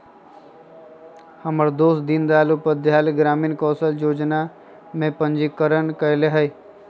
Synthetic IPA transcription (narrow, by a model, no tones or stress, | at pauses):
həməɾd̪oːsd̪ind̪aːlupəd̪jaːleɡɾaːmiːnkɔːsəljoːd͡ʒna | mẽpə̃nd͡ʒikəɾənkəleɦəj